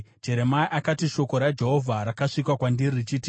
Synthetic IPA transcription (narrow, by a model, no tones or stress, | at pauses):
d͡ʒe̞ɾe̞maiʔakatiʃo̞ko̞ɾad͡ʒe̞ɦo̞vʱaɾakaʂikwakwandirrit͡ʃiːti